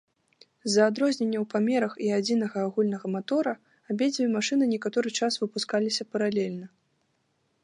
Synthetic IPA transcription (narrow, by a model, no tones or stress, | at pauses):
zɐːd̪ɾɔzʲnʲɛnʲːɐwpamʲɛɾɐxiad͡zʲinɐɣɐːɣulʲnɐɣɐmat̪ɔɾɐ | abʲɛd͡zʲvʲmaʂɨnɨnʲɛkat̪ɔɾɨt͡ʂasvɨpuskalʲisʲɐpɐɾalʲɛlʲnɐ